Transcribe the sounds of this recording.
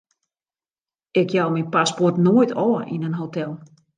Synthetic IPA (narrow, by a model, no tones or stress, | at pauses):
ɪkjawminpaspɔrtnoəjtʰɔːəʔinənɦotʰɛlˠ